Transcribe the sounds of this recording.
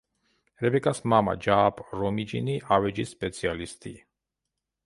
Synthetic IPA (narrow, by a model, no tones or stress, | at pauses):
ɾɛbɛkʼasmama̰d͡ʒaːpʰʼɾɔmid͡ʒḭniʔavɛd͡ʒisːpʼɛt̪sʰialist̪ʼi